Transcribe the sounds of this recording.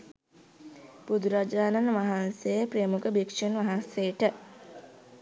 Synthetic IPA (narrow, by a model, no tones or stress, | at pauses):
bud̪uɾad͡ʒaːnanʋaɦansejəpɾemukəbikʃunʋaɦanseʈə